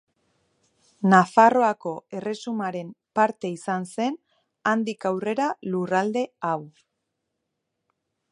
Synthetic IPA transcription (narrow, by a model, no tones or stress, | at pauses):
nafaro̞ako̞e̞re̞sumaɾe̞mpaɾt̪e̞isanse̞n | and̪ikawre̞ɾalurald̪e̞aw